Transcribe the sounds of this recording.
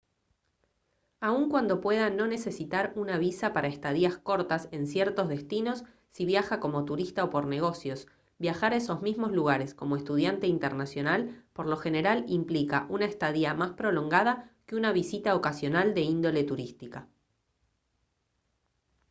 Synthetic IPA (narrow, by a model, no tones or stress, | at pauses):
auŋkwand̪o̞pwe̞ðano̞ne̞se̞sit̪aɾunaβ̞isapaɾaest̪að̞iasko̞ɾt̪ase̞nsjeɾt̪o̞zðe̞st̪ino̞sː | iβjaxako̞mo̞t̪uɾist̪aopo̞ɾne̞ɣ̞o̞sjo̞s | bjaxaɾaeso̞zmizmo̞zluɣ̞aɾe̞sko̞mo̞est̪uð̞jant̪e̞int̪eɾnasjo̞nalpoɾlo̞xe̞ne̞ɾalimplikaʔunaest̪að̞iamaspɾo̞lo̞ŋɡaðakeunaβisit̪aokasjo̞nald̪e̞ind̪o̞le̞t̪uɾist̪ika